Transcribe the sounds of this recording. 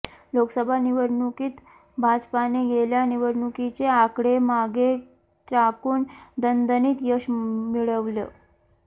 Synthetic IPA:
loksəbʱaniʋəɾɳukiːt̪ | bʱad͡zpaneɡeljaniʋəɾɳukit͡seakɽemaɡe | t̪ɾakuːnd̪ənd̪əniːt̪jəɕmiɭəʋləː

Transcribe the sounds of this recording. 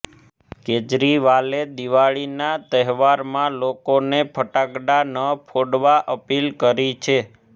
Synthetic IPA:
ked͡ʒɾiʋaled̪iʋaɭinat̪əɦʋaɾmãlokonepʰəʈaɡɖanəpʰoɽʋaʔəpilkəɾit͡ʃʰe

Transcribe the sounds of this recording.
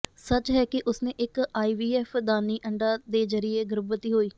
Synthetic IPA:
sət͡ʃɦɛːkɪʔʊsnẽːʔɪkaːiːʋiːɛːpʰd̪aːniːʔəɳɖaːd̪eːzəɾɪjeːɡʊɾəbət̪iːɦoːiː

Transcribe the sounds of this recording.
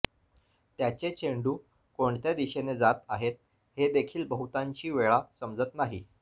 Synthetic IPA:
t̪jat͡ɕet͡ɕeɳɖuː | koɳt̪jad̪iɕened͡zat̪aɦet̪̚ | hed̪ekʰiːlbəɦut̪ãɲt͡ɕiːʋeɭasəmd͡zət̪naɦḭ

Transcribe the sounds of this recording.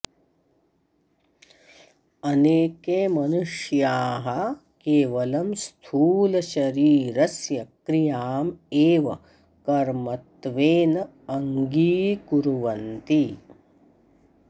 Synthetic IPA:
ɐneːkeːmɐnuʂjaːɦɐ | keːʋɐlɐmst̪ʰuːlɐʃɐɾiːɾɐsjɐkɾijaːmeːʋɐ | kɐɾmɐt̪ʋeːnɐ | ɐŋɡiːɡuɾuʋɐnt̪i

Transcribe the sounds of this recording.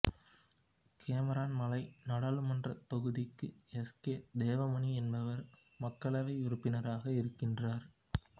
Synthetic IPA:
kʰeːmɛɾaːnmɐlɐɪnɐɽɐlɯmɐndrɐt̪ɔɣɯðɪkːɯɛskeːd̪eːʋɐmɐniɛnbɐʋɐɾ | mɐkːɐɭɐʋɐɪʊɾɯpːɪnɐɾaːɣɐɪɾɯkːɪndraːɾ

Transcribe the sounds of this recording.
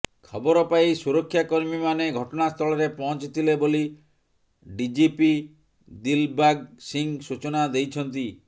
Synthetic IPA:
kʰɔbɔɾɔpaisuɾɔkʰːjakɔɾmimaneɡʱɔʈɔnast̪ʰɔɭɔɾepɔɦɔ̃nt͡ʃit̪ʰileboli | ɖid͡ʒipi | d̪ilbaɡsiŋsut͡ʃɔnad̪ejt͡ʃʰɔnt̪i

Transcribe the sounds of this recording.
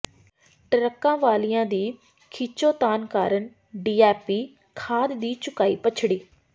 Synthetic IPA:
ʈəɾəkːãːʋaːlijãːd̪iː | kʰiːt͡ʃoːt̪aːnkaːɾəɳ | ɖiːɛːpiː | kʰaːd̪d̪iːt͡ʃʊkaːiːpət͡ʃʰɽiː

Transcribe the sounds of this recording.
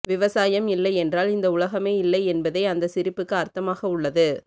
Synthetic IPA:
ʋɪʋɐsaːjɐmɪlːɐɪɛndraːlɪnd̪ɐʊlɐɣɐmeːɪlːɐɪɛnbɐðɐɪɐnd̪ɐsɪɾɪpːɯkːɯɐɾt̪ɐmaːɣɐʊɭːɐðɯ

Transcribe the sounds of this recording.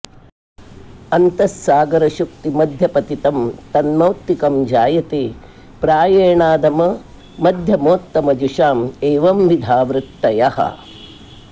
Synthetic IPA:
ɐnt̪ɐsːaːɡɐɾɐʃuk̚t̪imɐd̪ʱjɐpɐt̪it̪ɐmt̪ɐnmɐwt̪ːikɐmd͡ʒaːjɐt̪eː | pɾaːjeːɳaːd̪ɐmɐ | mɐd̪ʱjɐmoːt̪ːɐmɐd͡ʒuʃaːmeːʋɐmʋid̪ʱaːʋɾɪt̪ːɐjɐhɐ̰

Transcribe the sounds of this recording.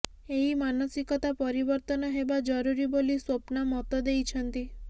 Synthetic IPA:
eɦimanɔsikɔt̪apɔɾibɔɾt̪ɔnɔɦebad͡ʒɔɾuɾiboliswopnamɔt̪ɔd̪ejt͡ʃʰɔnt̪i

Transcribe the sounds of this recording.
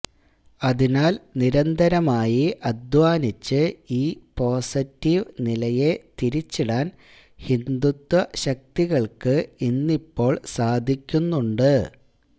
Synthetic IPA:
ɐðinaːlniɾɐnd̪ʱɐɾɐmaːjiʔɐd̪ʋaːnit͡ɕːɨiːpo̞ːsitːiʋnilɐje̞t̪iɾit͡ɕːiɽaːn | hind̪ut̪wɐɕɐk̚t̪iɣɐɭkɨinːipːo̞ːɭsaːd̪ʱikʲːunːuɳɖɨ

